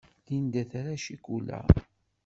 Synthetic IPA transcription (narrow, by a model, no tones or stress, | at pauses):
ðind̪æθaɾaʃikulæ̰